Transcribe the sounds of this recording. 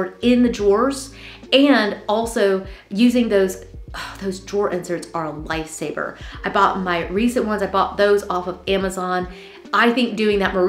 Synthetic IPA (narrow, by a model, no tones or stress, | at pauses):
ɹɾɪ̃nðɨd͡ʒɔɹz̥ | ɨ̃ndɔlˠsoʊjʉzɪ̃ŋðoʊzðoʊzd͡ʒɔɹʔɪ̃nsə˞tzə˞əlaɪfseɪbə̰˞aɪbɔt̚maɪɹisɨ̃nʔwʌ̃nzaɪbɔt̪̚ðoʊzɔfʌvæməzɑ̃n | ʔaɪθɪ̃ŋk̚d̥ʉɪ̃ŋðɨt̚mə˞